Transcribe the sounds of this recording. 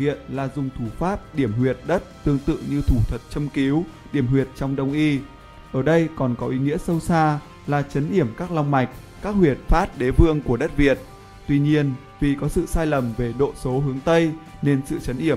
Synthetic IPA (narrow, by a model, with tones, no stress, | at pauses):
ḭ˧˨ənlaː˨˩zʊ˨˩ŋ͡mt̪ʰu˧˩faː˦˥p̚ɗi˧˩əmhwi˨˩ət̚ɗə˦˥t̚t̪ɨ˧əŋt̪ɨ̰˧˨ɲɨ˧t̪ʰu˧˩t̪ʰwə˨˩t̚t͡ɕə˧mki˨˦wɗi˧˩əmhwi˨˩ət̚t͡ɕɔ˧wŋ͡mɗə˧˩wŋ͡mʔi˧ | ʔəː˧˩ɗə˧jkɔ˨˩nkɔ˨˦ʔi˨˦ŋḭ˧˥əsə˧wsaː˧ | laː˨˩t͡ɕə˨˦nʔi˧˩əmkaː˦˥k̚la˧wŋ͡mma˨˩jk̟̚ | kaː˦˥k̚hwi˨˩ət̚faː˦˥t̚ɗe˨˦vɨ˧əŋku˧˩əɗə˦˥t̚vi˨˩ət̚ | t̪wi˧ɲi˧ən | vi˨˩kɔ˨˦sɨ̰˧˨saː˧jlə˨˩mve˨˩ɗo̰˧˨so˨˦ɦɨ˨˦əŋt̪ə˧j | ne˧nsɨ̰˧˨t͡ɕə˨˦nʔi˧˩ə